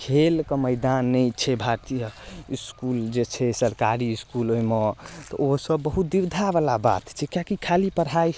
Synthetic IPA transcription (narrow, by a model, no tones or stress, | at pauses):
kʰelkəməjd̪anːɛjt͡ʃʰɛbʱat̪ijəiskuld͡ʒet͡ʃʰɛsəɾkaɾiːskulojmet̪ɔosəbːəɦut̪̚d̪iwd̪ʱabalaba̰t̪t͡ʃʰɛkjakikʰalipəɾɦaj